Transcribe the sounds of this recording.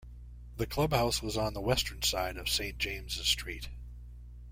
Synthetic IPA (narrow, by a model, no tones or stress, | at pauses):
ðɨkʰl̥ʌbhaʊswʌzn̩ðəwɛstə̃˞nsaɪɾʌv̥sẽɪ̃nd̥ʒ̥ẽɪ̃mzɨz̥stɹ̥it̚